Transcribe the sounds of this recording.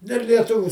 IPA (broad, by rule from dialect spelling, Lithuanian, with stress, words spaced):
dʲɛlˠ lʲiɛˈtʊʋʲʊ